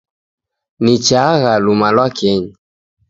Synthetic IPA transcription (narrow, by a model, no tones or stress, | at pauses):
nit͡ʃaɣalumalwakɛɲi